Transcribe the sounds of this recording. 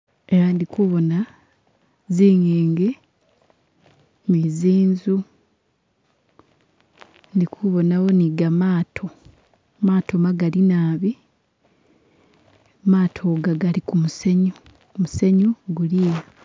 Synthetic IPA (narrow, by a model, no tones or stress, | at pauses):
e̞ɾandikuβo̞na | ziːɲeːŋɡe | miziːnzu | ndikʰuβo̞nawo̞niɡamaːtʰo̞ | maːtʰomaɡalinaːβi | maːtʰoɡaɡalikumuseɲu | museɲuɡulije